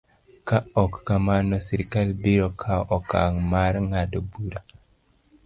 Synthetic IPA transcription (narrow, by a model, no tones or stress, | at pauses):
kaɔkːamanɔsiɾkalbiɾokʰaʔɔka̰ŋmaɾŋadɔbuɾa